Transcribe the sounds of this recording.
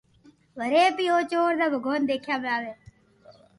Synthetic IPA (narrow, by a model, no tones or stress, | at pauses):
ʋəɾeːpiːoːt͡ʃoːɾd̪aːbʱəɡʱoːnd̪eːkʰjaːblaːʋeː